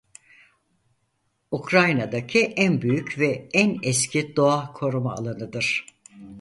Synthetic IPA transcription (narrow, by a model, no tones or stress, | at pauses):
ukɾajnad̪acʰiʔænbyjycvɛænɛscʰid̪oahkʰo̞ɾuma̰ːlˠanɯd̪ɯɾ̥